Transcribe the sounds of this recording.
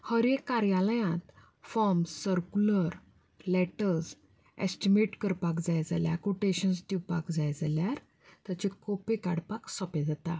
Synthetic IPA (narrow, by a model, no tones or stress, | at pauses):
həɾekːaɾjaləjãt̪ | fɔɾmssəɾkuləɾ | lɛʈəɾs | ɛ̰sʈimeʈkəɾpakd͡zajd͡za̰ljakuʈeɕənsd̪iwpakd͡zajd͡zaljaɾ | t̪jat͡ɕekɔpekaɽpaksɔped͡zat̪a